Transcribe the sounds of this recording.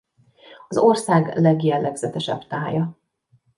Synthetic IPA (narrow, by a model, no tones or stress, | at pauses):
ɒzo̞rsaːɡlɛɡjɛlːɛɡz̥ɛt̪ɛʃɛ̰bt̪aːjɒ